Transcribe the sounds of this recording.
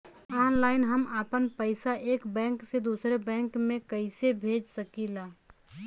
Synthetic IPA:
aːnlaːɪnɦəməːpənpəɪsaʔeːkbɛ̃ːŋksed̪uːsɾebɛ̃ːŋkmẽkəɪsebʱeːd͡ʒsəkilaː

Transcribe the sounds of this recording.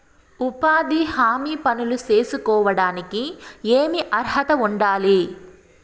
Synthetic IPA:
upaːd̪ihaːmiːpɐnuluse̞ːsukɔːʋɐɽaːnikieːmiʔɐɾɦɐt̪ɐuɳɖaːli

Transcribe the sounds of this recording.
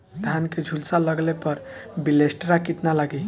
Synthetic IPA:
d̪ʱanked͡ʒʱulsaləɡlepʌɾ | bilesʈɾakit̪nalaɡi

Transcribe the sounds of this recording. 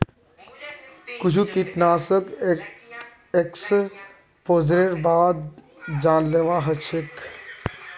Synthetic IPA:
kʊd͡ʒʰuk̪it̪naːsək | eks | pozɾeɾbaːd̪ | d͡ʒaːnleʋaːɦət͡ʃʰek

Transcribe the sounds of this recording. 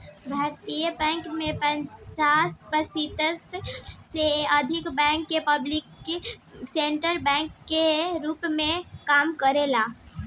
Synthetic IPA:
bʱaːɾt̪ijəbɛ̃ːŋkmẽpə̃ɲt͡ʃaːspəɾsit̪ət̪seəd̪ʱɪkbɛ̃ːŋkːepəblɪkː | sẽɳʈəɾbɛ̃ːŋkːeɾuːpmẽkaːmkəɾelaː

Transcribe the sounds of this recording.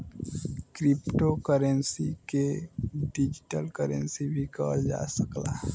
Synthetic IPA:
kɾɪpʈokəɾənsikeɖid͡ʒiʈəlkəɾḛ̃nsibʱikɔd͡ʒa̰səkla̰

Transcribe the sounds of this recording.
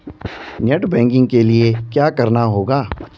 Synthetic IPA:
neʈbɛ̃ːŋkɪ̃ŋɡ̚keliekjaːkɐɾnaɦoːɡaː

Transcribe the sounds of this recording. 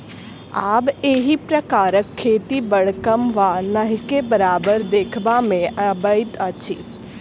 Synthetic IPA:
aːbeːɦipɾəkaːɾəkʰːeːt̪ibəɽkəmʋanəɦkebəɾaːbəɾd̪eːkʰbamẽəbəɪt̪ət͡ʃʰḭ

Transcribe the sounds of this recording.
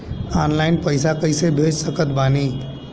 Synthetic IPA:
aːnlaːɪnpəɪsakɐisebʱeːd͡ʒsəkət̪baːniː

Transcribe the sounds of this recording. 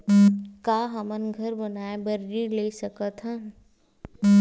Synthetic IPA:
kaːɦɐmənɡʱɐɾbɐnaːebɐɾːĩlesɐkət̪ɦãː

